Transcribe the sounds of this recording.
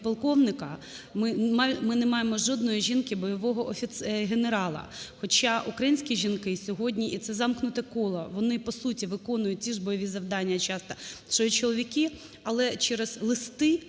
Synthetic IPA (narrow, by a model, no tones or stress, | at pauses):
pɔlˠkɔwnɪkɐmɪmmɪnɛmɑjemɔʒɔd̪nɔjiʒʲinkɪbɔjɔʋɔɦɔʔɔfʲit̪ɦeneɾɑlˠɐ̰xɔt͡ʃɑʔukɾɐjinʲsʲkʲiʒʲinkɪsʲɔɦɔdʲnʲiʔit̪sɛzɑmknʊt̪ɛkɔlˠɔʋɔnɪpɔsutʲiʋɪkɔnʊjʊt̚ʲt͡sʲiʒbɔjɔʋʲizɐwd̪ɑnʲːɐt͡ʃɑst̪ɐʃɔjit͡ʃɔlˠɔʋʲikɪ | ɐlˠɛt͡ʃɛɾɛz̥lˠɪst̪ɪ